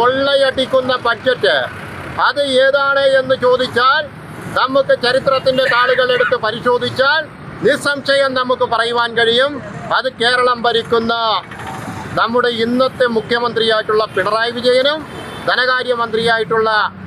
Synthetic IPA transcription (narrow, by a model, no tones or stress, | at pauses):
koɭːɐjɐʈːikʲːunːɐpɐtːɐtːɨ | ɐðɨeːðaːɳeenːɨt͡ɕo̞ːd̪ʱit͡ɕːaːl | nɐmːukːɨt͡ɕɐɾit̪rɐt̪ːinde̞t̪aːɭuɣɐɭe̞ɽut̪ːɨpɐɾiɕo̞ːd̪ʱit͡ɕːaːl | nisɐmɕɐjɐmnɐmːukːɨpɐrɐjuʋaːnkɐɻijumɐðɨke̞ːɾɐɭɐmpɐɾikʲːunːɐ | nɐmːuɽe̞inːɐt̪ːemukʰjɐmɐnd̪rijaːjiʈːuɭːɐpiɳɐraːjʋid͡ʑɐjɐnɐm | d̪ʱɐnɐɣaːɾjɐmɐnd̪rijaːjiʈːuɭːɐ